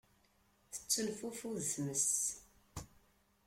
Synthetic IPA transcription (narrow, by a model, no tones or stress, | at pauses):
θə̥t͡sːəlfufuðsməs